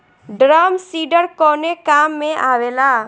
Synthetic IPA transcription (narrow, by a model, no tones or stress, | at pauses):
ɖɾaːmsiːɖəɾkɔːnekaːmːẽʔaːweːlaː